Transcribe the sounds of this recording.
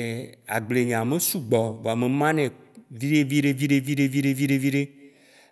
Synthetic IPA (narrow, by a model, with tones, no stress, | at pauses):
a̰˨ɡ͡ble˨ɲã˨mẽ˦su˦ɡ͡bɔ˨va˨mẽ˨mã˦nɛ̃˨ | vi˦ɾe˦vi˦ɖe˦vi˦ɖe˦vi˦ɖe˦vi˦ɖe˦vi˦ɖe˦vi˦ɖe˦